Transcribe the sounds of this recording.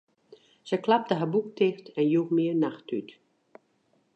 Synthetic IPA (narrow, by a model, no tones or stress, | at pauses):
səklap̚təɦabuk̚tʰɪxtɛnjuːxmɪəɹnaxtyt